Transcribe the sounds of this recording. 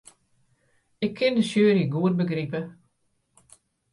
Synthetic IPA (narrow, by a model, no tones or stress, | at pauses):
ɪkʰːɪndəsjøːriɡuət̚bəɡripə